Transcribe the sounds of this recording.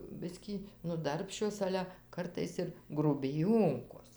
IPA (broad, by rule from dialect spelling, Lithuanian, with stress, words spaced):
ˈbʲɪsʲkʲiː nʊ ˈdɐrʲpʲʃʲt͡ʃʲoːs ˈɑːlʲɛ ˈkɐrtɐɪs ɪr ɡrʊbʲɪˈjoːŋkoːs